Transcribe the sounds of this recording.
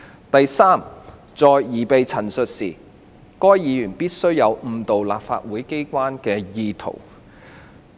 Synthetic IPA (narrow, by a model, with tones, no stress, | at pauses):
t̪ɐ˨jsaː˥m | t͡sɔː˨jːiː˨˩pe˨jt͡sʰɐ˨˩nsɵ˨t̚siː˨˩ | kɔː˥jjiː˨˧jyː˨˩npiː˥t̚sɵ˥ɥjɐ˨˧wm̩˨˧t̪o˨wla̰ː˨p̚fa̰ː˧t̚wuː˨˥jke˥jkʷaː˥nkɛː˧jiː˧t̪ʰo̰˨˩w